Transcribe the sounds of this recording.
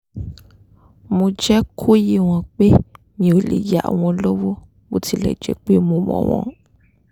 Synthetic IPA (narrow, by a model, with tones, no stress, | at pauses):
mõ˧d͡ʒɛ˦kʰo˦ji˦w̃ɔ̃˧k͡pe˦ | nĩ˧o˨lḛ˨ja˦a̰˨w̃ɔ̃˧lo˦wo˦ | o˦ti˧lɛ̰˨d͡ʒɛ̰˦k͡pe˦mõ˧˨mɔ̰̃˨w̃ɔ̰̃˧˨